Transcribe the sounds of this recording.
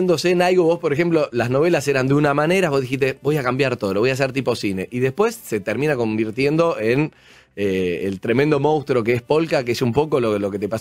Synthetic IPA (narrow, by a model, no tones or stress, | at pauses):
nd̪osenalɣoβo̞spoɾexe̞mplo̞lazno̞βe̞laseɾand̪eunamane̞ɾaβo̞zðixiht̪e̞bo̞jakambjaɾt̪oðoβo̞jas̬eɾt̪ipo̞sine̞̰ʔiðe̞spwe̞sːe̞t̪eɾmĩnako̞mbiɾt̪je̞nd̪o̞ʔen | eḛlt̪ɾe̞mend̪o̞mõw̃st̪ɾo̞k̬eespo̞lkak̬eesumpo̞kololo̞ket̪epas